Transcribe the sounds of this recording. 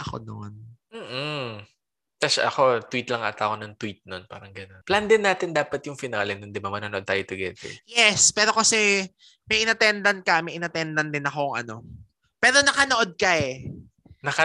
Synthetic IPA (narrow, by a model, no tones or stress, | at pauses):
ʔɐko̰nonm̩ːʔ | t̪ɐʃaʔɐko̞t̪wit̪lɐŋʔa̰ːt̪akonɐŋt̪wit̪̚nonpa̰ːɾɐŋɡɐno̞npland̪ɪnːaːt̪ɪnd̪aːpɐt̪jʊŋfɪnaːlɛnʊnd̪ɪbamɐnanoʔod̪̚t̪a̰ːjot̪ʊɡɛt̪ɛ̰jɛspɛːɾo̞kɐsɛ | mɐjʔɪnɐt̪ɛnd̪ɐnkɐmɐjʔɪnɐt̪ɛnd̪ɐnd̪ɪnɐkoŋʔɐ̰no̞ | pɛːɾo̞nɐkɐnoʔo̞d̪̚kɐɛ | nɐɐ